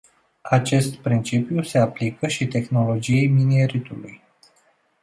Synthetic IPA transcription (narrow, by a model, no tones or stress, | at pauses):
at͡ʃe̞st̪pɾint͡ʃipjuse̞aplikəʃit̪e̞xno̞lo̞d͡ʒiejminieɾit̪ulṵj